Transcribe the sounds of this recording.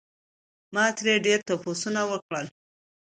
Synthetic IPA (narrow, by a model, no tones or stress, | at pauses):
mɑt̪ɾeɖeɾt̪aposunawəkɽəl